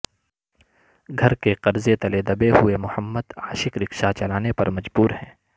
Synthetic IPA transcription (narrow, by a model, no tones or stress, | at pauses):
ɡʱɐɾkeqɐɾzet̪ɐled̪ɐbeɦʊemʊhəmːəd̪aːʃɪkɾɪkʃat͡ʃɐlaːnepɐ̰ɾmɐd͡ʒbuːɾɦɛ̃ː